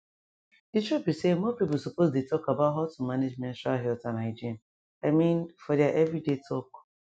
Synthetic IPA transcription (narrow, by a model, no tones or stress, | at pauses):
ditt͡ʃubisemɔpip̬ʊsopozdetɔkabatɦatumaned͡ʒmɛ̃nʃaɦɛltãnaɪd͡ʒiãn | aɪmĩnfɔdiaʔevɾidetʰɔk